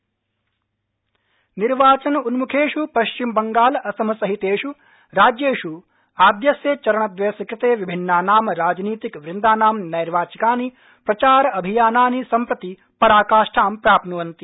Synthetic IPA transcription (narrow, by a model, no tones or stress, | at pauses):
niɾʋaːt͡ʃɐnunmukʰeːʂupɐʃt͡ʃimbɐŋɡaːlɐsɐmɐsɐɦit̪eːʂu | ɾaːd͡ʒjeːʃu | aːd̪jɐsjɐt͡ʃɐɾɐɳɐd̪ʋeːsikɾit̪eːʋibʱinːaːnaːmɐɾaːd͡ʒniːt̪ikʋɾind̪aːnaːmnɐjɾʋaːt͡ʃikaːni | pɾɐt͡ʃaːɾɐɐbʱijaːnaːnisɐmpɾɐt̪i | pɐɾaːkaːʂʈʰaːmpɾaːpnuʋɐnt̪i